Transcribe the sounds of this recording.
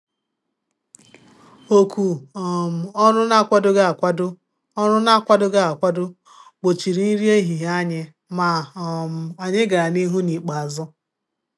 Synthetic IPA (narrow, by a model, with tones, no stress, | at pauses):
o˨kʷu˨m̩˨ɔ˦nʊ˦na˦kʷa˦dʊ˦ɡa˦˨kʷa˦dʊ˦ | ɔ˦nʊ˦na˦kʷa˦dʊ˦ɡa˦a˨kʷa˦dʊ˦ | k͡po˨t͡ʃi˨ɾi˦ni˦ɾi˦e˦ɦi˨ɦa˦ɲɪ˦ | ma˨m̩˨a˨ɲɪ˦ɡa˨ɾa˨ni˦ɦu˦ni˨k͡pa˨a˨zʊ˦